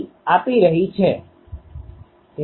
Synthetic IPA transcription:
apiɾəɦit͡ʃʰe | t̪

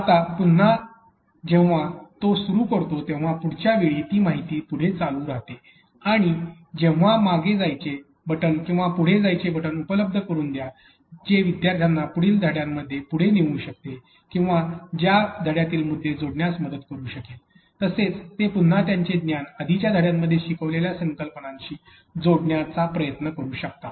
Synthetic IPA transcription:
at̪apun̤ːa | d͡ʑẽʋ̃ʋat̪osuɾuːkəɾt̪ot̪ẽw̃ʋ̤apuɽ̤t͡ɕjaʋeɭiːt̪iːmaɦit̪iːpuɽ̤et͡salũːɾaɦt̪e | aɽ̃i | d͡ʑẽʋ̃ʋ̤amaɡed͡zajt͡ɕe | bəʈənkĩw̃ʋapuɽ̤ed͡zajt͡ɕebəʈənupələb̚d̪ʱəkəɾuːnd̪ja | d͡ʑeʋid̪jaɾt̪ʰjanːapuɽiːld̪ʱəɽjamːəd̪ʱːjepuɽ̤eniʋũːɕək̚t̪e | kĩw̃ʋad͡ʑjad̪ʱəɽjat̪iːlmud̪ʱːed͡zoɽɳjasməd̪ət̪kəɾuːɕəkel | t̪əset͡st̪epun̤ːat̪jaɲt͡ɕed̪njanəd̪ʱit͡ɕjad̪ʱəɽjamːəd̪ʱːjeɕikəʋleljasə̃ŋkəlpəɳãɲɕiː | d͡zoɽɳjat͡sapɾəjət̪nəkəɾuːɕək̚t̪a

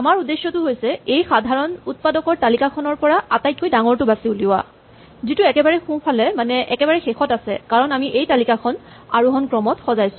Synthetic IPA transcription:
amaɹudesjɔtʊɦojsɛejxadʱaɹɔnut̚padɔkɔɹtalikakʰɔnɔɹpɔɹaatajt̚kːojdaŋɔɹtʊbasiuliwa̰ | zitʊɛkɛbaɹɛxũpʰalɛmanɛʔɛkɛbaɹɛxexɔtasɛ̰kaɹɔnamiʔejtalikakʰɔn | aɹuɦɔnkɹɔmɔtxɔzajsʊ̥̃

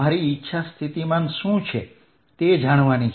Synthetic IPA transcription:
aɾiːtːʃʰast̪ʰit̪imãnʃũt͡ʃʰe | t̪ed͡ʒaɽ̃ʋanit͡ʃ

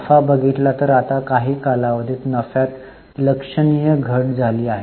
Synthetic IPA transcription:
əfabəɡʱit̪lat̪əɾat̪akaɦiːkalaʋəd̪ʱiːt̪nəfjat̪ | ləkʂəɳijəɡʱəɽd͡zʱaliːaɦe

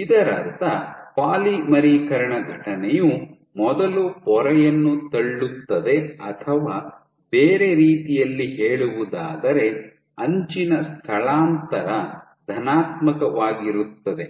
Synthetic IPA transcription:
id̪ɐɾɐɾt̪ɐpaːlimɐɾiːkɐɾɐɳɐɡʱɐʈɐnɛju | mɔd̪ɐlupɔɾɐjɐnːut̪ɐɭːut̪ːɐd̪e̞ɐt̪ʰɐʋaː | b̥eːɾe̞ɾiːt̪ijɐlːiɦeːɭuʋud̪aːd̪ɐɾe̞ | ɐɲt͡ʃinɐst̪ʰɐɭaːnt̪ɐɾɐ | d̪ʱɐnaːt̪mɐkɐʋaːɡiɾut̪ːɐd̪e̞

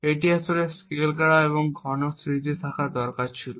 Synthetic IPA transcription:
eʈiasoɾeskelkaɽaeβoŋɡʱɔnosɾit̪et̪ʰakad̪ɔɾkaɾt͡ɕʰilo

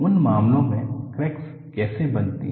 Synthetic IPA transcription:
ʊnmaːmlõmẽkɾɛːks | kɛːsebɐnt̪ḭ

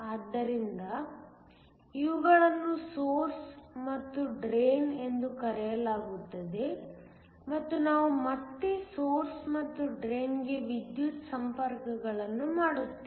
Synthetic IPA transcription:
aːd̪ːɐɾind̪ɐ | iʋuɡɐɭɐnːusoːɾsmɐt̪ːuɖɾeːne̞nd̪ukɐɾɛjɐlaːɡut̪ːɐd̪e̞ | mɐt̪ːunaːʋumɐt̪ːesoːɾsmɐt̪ːuɖɾeːnɡe̞ʋid̪jut̪sɐmpɐɾkɐɡɐɭɐnːumaːɽut̪ːe

